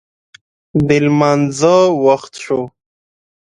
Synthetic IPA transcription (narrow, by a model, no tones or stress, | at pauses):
b̪ɪlmanzawaxt̪ʂo